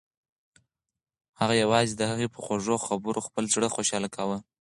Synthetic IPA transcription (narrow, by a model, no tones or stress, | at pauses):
haɣajawɑzid̪əhaɣepəxoʐoxabəɾoxpəlzɽəxoʃɑlakʰawə